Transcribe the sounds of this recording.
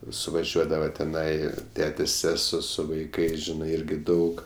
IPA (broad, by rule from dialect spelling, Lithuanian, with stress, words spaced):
sʊʋɐˈʒʲuɔdɐʋɐ tʲɛˈnɐɪ ˈtʲæːtʲeːsʲ ˈsʲæːsuɔ sʊ ʋɐɪˈkɐɪs ˈʒʲɪnɐɪ ˈɪrʲɡʲɪ ˈdɐʊk